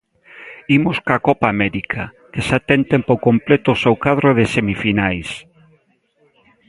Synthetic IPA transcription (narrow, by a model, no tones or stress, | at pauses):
imʊskakɔpaːmɛɾikʰa | kesat̪ent̪ẽmpokomplɛt̪ʊsowkaðɾoðesemifinajs